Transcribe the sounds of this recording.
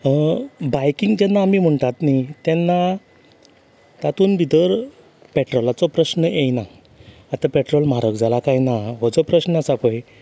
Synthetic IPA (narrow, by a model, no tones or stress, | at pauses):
bajkiŋɡd͡ʑɛnːaːmim̤əɳt̪at̪nit̪ɛnːa | t̪at̪uːnbid̪əɾ | pɛʈɾɔlat͡sɔpɾəɕnəʔejna | at̪apɛʈɾɔlmaɾəkd͡zʱalakajnaʋəd͡zɔpɾəɕnəasapəj